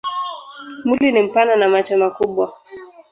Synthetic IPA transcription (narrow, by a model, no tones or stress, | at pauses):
mulinim̩pananamat͡ʃɔmakuɓwa